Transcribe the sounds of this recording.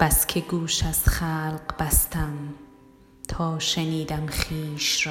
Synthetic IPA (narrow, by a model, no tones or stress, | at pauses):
b̥æskʲʰeɡuːʃæzχalqbæst̪æm | t̪ʰɒːʃeniːd̪æmχiːʃɾɔː